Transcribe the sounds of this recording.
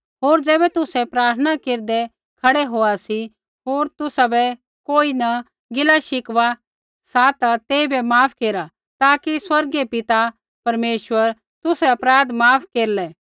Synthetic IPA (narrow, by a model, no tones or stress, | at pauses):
ɦoːɾd͡zɛːbɛt̪ʊsɛpɾaːɾt̪ʰənakeːɾd̪ɛ | kʰɐɽɛɦoːasi | ɦoːɾt̪ʊsabɛ | koːinɐ | ɡɪlaʃɪkʋa | sat̪at̪eːibɛmaːpʰkeːɾa | t̪aːkiswɐɾɡepɪt̪a | pɐɾmeːʃʋəɾ | t̪ʊsɛɐpɾaːd̪maːpʰkeːɾlɛː